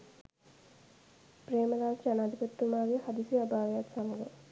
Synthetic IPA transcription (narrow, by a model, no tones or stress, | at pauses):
preːməɾaːsanaːd̪ipət̪ːumaːɡehad̪isuabaːʋejat̪saməɡə